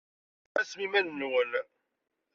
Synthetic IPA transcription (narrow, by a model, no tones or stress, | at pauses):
æsmimænːwəl